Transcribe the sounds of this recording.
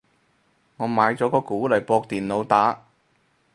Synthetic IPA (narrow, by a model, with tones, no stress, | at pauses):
ŋɔː˨˧maː˨˧jt͡sɔː˨˥kɔː˧kuː˨˥lɐ˨˩jpɔː˧k̚t̪iː˨nlo˨˧wt̪aː˨˥